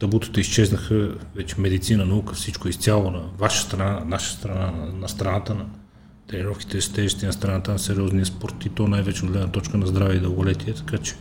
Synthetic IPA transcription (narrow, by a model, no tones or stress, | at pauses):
t̪ɐbut̪ə̥t̪əist͡ʃɛznɐxəvɛt͡ʃɛ̥mɛd̪it̪sinənɐukəfsit͡ʃkoist̪ʲjalˠonɐvaʃə̥st̪ɾɐnanaʃə̥st̪ɾɐnanɐnɐst̪ɾɐnat̪ənɐ | t̪ɛniɾɔfki̥t̪ɛʒt̪ɛʒist̪inɐst̪ɾɐnat̪ənɐsɛɾiɔznijɐspɔɾt̪it̪ɔnajvɛt͡ʃɛoʊd̪lɛd̪nɐt̪ɔt͡ʃkənɐzd̪ɾavɛid̪əlˠɡolɛt̪iɛt̪ɐ̥kat͡ʃɛ̥